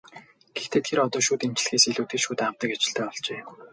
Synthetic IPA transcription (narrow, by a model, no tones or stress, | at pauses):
ɡ̥ext̪ʰeːt̪ʰeɾɔt̪ɔːʃuːt̪em̥t͡ɕɪ̆ɮ̆xeːseɮuːt̪iːʃuːt̪amt̪ə̆kat͡ɕɪ̆ɬt̪ʰæːɔɮt͡ɕeː